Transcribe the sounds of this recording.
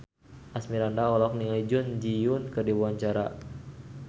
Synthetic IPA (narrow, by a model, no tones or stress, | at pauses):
ʔasmiɾandaɔlɔk̚niŋalid͡ʒʊnd͡ʒiʊnkərdibuaɲt͡ʃaɾa